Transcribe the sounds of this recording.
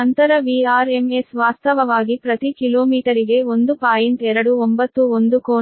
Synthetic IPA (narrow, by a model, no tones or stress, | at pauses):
ɐnt̪ɐɾɐʋiaːɾemesʋaːst̪ɐʋɐʋaːɡipɾɐt̪ikiloːmiːʈɐɾiɡe̞o̞nd̪upaːjiɳʈɛɾɐɽuombɐt̪ːuond̪ukoː